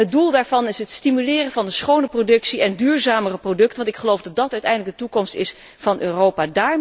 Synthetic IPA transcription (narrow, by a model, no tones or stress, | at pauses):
ɦət̚dulˠdaːɹvɑnɪsɦətstimylɪːrənvɑndəsχownəprodɵksiɛndyːɹzaːmərəprodɵktənʋɑntɪkχəlowfdɑt̚dɑtœɥtɛjndləɡdətukɔmstɪs | v̥ɑnʔøːrowpadaːɹ